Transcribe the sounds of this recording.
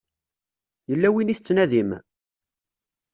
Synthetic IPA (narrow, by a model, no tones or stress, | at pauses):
jəlːæwiniθət͡sːnæðim